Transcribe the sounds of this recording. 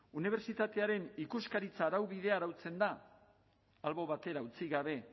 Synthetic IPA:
uniβ̞e̞ɾt͡sit̪at̪e̞aɾe̞nikuskaɾit͡saːɾawβið̞e̞aɾawt͡se̞nd̪aː | lβo̞βat̪e̞ɾaut͡siɣaβe̞

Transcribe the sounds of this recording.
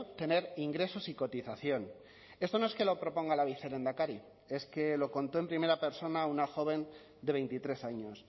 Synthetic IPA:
t̪e̞ne̞ɾiŋɡɾe̞so̞siko̞t̪iθaθjo̞n | e̞st̪o̞noe̞ske̞lo̞pɾo̞po̞ŋɡalaβiθe̞ɾe̞nd̪akaɾi | e̞skelo̞ko̞nt̪o̞e̞mpɾime̞ɾape̞ɾso̞naunaxo̞β̞e̞n | d̪e̞β̞e̞jnt̪it̪ɾe̞saɲo̞s

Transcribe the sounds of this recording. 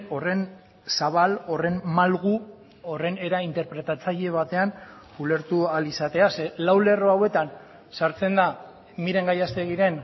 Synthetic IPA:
o̞re̞n | saβalo̞re̞nmalɣ̞u | o̞re̞ne̞ɾaint̪eɾpɾe̞t̪at͡saʎe̞β̞at̪e̞an | ule̞ɾt̪ualisat̪e̞ase̞lawle̞ro̞awe̞t̪an | saɾt͡se̞nd̪a | miɾe̞ŋɡajast̪e̞ɣ̞iɾe̞n

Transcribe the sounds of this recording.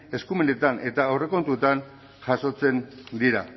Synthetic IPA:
e̞skumene̞t̪ane̞t̪aːwre̞ko̞nt̪uet̪an | ʝaso̞t͡se̞nd̪iɾa̰

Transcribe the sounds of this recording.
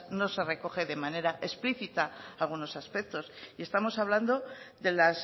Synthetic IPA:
no̞se̞re̞ko̞χe̞ðe̞mane̞ɾaʔe̞spliθit̪aːlɣ̞uno̞saspe̞k̚t̪o̞sie̞st̪amo̞saβland̪o̞ðe̞las

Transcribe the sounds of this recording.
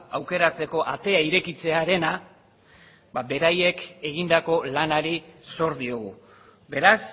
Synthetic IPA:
awke̞ɾat͡se̞ko̞ʔat̪e̞aiɾe̞kit͡se̞aɾe̞na | babe̞ɾaje̞ke̞ɣ̞ind̪ako̞lanaɾiso̞ɾðio̞ɣ̞u | be̞ɾas

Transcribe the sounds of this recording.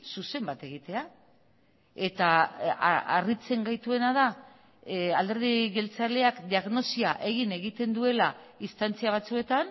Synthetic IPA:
suse̞mbat̪e̞ɣit̪e̞a | e̞t̪a | a̰rit͡se̞ŋɡajt̪ue̞naða | ald̪e̞ɾðiɣe̞lt͡sale̞akd̪iaɣno̞siaʔe̞ɣine̞ɣit̪e̞nd̪ue̞laist̪ant͡siaβ̞at͡sue̞t̪an

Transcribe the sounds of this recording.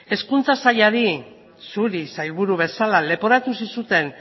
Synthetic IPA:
e̞skunt͡sasaʎaɾi | suɾisajlβuɾuβe̞salale̞po̞ɾat̪usisut̪e̞n

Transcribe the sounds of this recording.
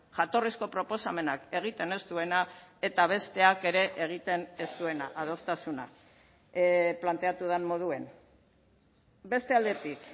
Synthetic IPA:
ʝat̪o̞risko̞pɾo̞po̞same̞nake̞ɣ̞it̪e̞ne̞st̪ue̞nae̞t̪aβ̞e̞st̪e̞ake̞ɾe̞ʔeɣ̞it̪e̞ne̞st̪ue̞naʔaðo̞st̪asuna̰ | plant̪e̞at̪uð̞anmo̞ð̞ue̞n | be̞st̪e̞ald̪e̞t̪ik

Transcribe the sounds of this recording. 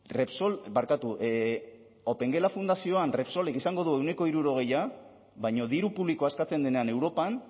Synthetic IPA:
re̞pso̞lbaɾkat̪uʔ | o̞pe̞ŋɡe̞lafund̪asio̞anre̞pso̞le̞kisaŋɡo̞ð̞ue̞wne̞ko̞iɾuɾo̞ɣ̞e̞ja | βajɲo̞ðiɾupuβliko̞askat͡se̞nd̪e̞neane̞wɾo̞pan

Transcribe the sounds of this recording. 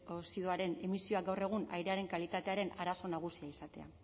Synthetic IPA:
osiðoaɾe̞ne̞misio̞aɡawre̞ɣ̞una̰jɾe̞aɾe̞ŋkalit̪at̪e̞aɾe̞naɾaso̞naɣ̞usiaisat̪e̞a̰

